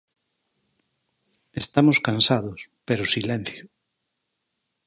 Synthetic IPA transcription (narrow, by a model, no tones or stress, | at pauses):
est̪amoskansaðospeɾosilen̟θjo